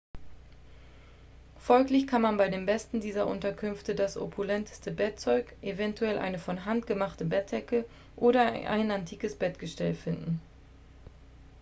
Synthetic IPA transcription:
fɔlklɪçkʰanmanbaɪdeːmbɛstn̩diːzɐʔʊ̰ntɐkʰʏnftədasʔo̰pʰulɛntə̥stəbɛt̚t͡sɔʏkʔevɛntuɛlʔa̰ɪnəfɔnɦantɡ̥əmaχtəbɛt̚dɛkə | ʔoːɾɐʔa̰ɪnantʰiːkəsb̥ɛtɡ̥əʃtɛlfɪndn̩

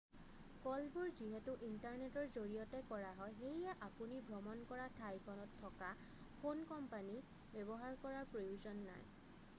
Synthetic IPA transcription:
kɔlbuɹziɦɛtʊʔintaɹnetɔɹzoɹijɔtɛkɔɹaɦɔjɦejɛʔapunibʱɹɔmɔnkɔɹatʰajkʰɔnɔtʰːɔka | fʰonkɔmpani | bɛbɔɦaɹkɔɹaɹpɹojuzɔnːa̰j

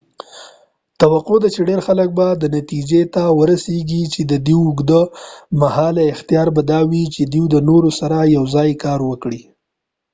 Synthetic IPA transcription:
t̪awaqod̪at͡ʃeɖeɾxalək̚bad̪ənat̪id͡ʒet̪awəɾaseɡit͡ʃed̪əd̪iwʊɡd̪əmahɑlaɪxt̪ijɑɾbad̪ɑwit͡ʃed̪iwd̪ənoɾosaɾajawzɑjkɑɾwəkɽi

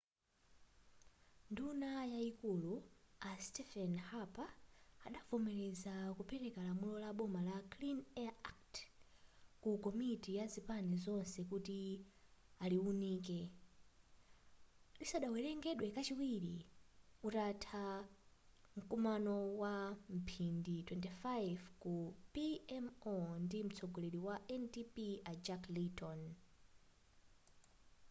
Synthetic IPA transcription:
ndunajaikuluastɛfɛnhapaa̰ɗavɔmɛlɛzakupʰɛɾɛkalamulɔlaɓɔmalaklinɛakt | kukɔmitijazipanɛzɔnsɛk̬uti | aliuniːkɛ | lisaɗawɛlɛŋɡɛɗwɛkat͡ʃiwiɾiutatʰa | ŋ̩kumanɔwam̩pʰinditwɛntifajvkupiɛmɔndim̩t͡sʰɔɡɔlɛɾiwaʔɛntipiad͡ʒaklitʰɔn

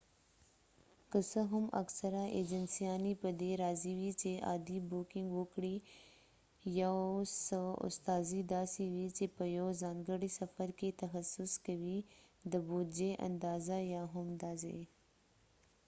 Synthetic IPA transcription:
kəsəɦʊmɐ̰ksɐɾaʔeːd͡ʒənsijaːnipəd̪eɾaːziwit͡ʃeʔa̰ːd̪iboːkɪ̃ŋɡoːkɽi | jasəʊ̰st̪aːzid̪aːsiwit͡ʃepəjoːzaːnɡəɽisɐfəɾket̪ɐxɐsːʊskɐwid̪əbuːd͡ʒeʔɐ̰̃nd̪aːzajaːɦʊmd̪aːzḛ

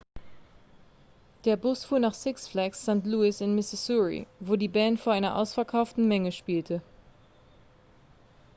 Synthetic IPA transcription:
d̥eːɐbʊsfuːɐnaːχsɪksflɛksːantluːɪsɪnmɪsɪsuɹḭvoːdiːbɛːntfoːɐʔaɪnɐʔa̰ʊsfɛɐkʰaʊftn̩mɛŋəʃpiːltʰə

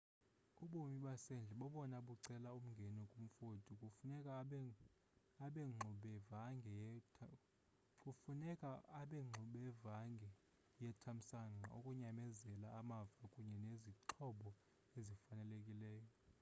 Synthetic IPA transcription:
uɓomiɓasɛnd͡ɮʱɛɓɔɓɔnaɓuǀɛlaum̩ŋɡʱɛnɛkʼum̩fodʱʼikʼunɛkʼa | aɓɛŋ͡ǃʱuɓɛvaŋɡʱɛ | ufunɛkʼaaɓɛŋ͡ǃʱuɓɛvaŋɡʱɛ | jɛtʰam̩saŋaʔokʼuɲamɛzɛlaːmavakʼuɲɛneziǃʰɔɓɔ | ezifanɛlekʼilɛːjɔ

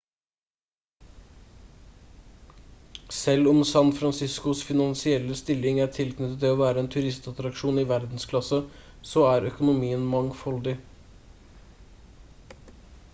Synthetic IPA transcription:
sɛlɔmsɑnfɾɑnsɪskʊsfɪnɑnsɪɛlːəst̪ɪlɪŋæːʈʰɪlknʏt̪ːət̪ɛoːʋæːɾəeːnt̪ʰʉɾɪst̪ɑt̪ɾɑkʂuːnɪʋæɾd̪n̩skʰlɑsə | sɔæːɾœkʊnʊmiːənmɑŋfɔld̪ɪ

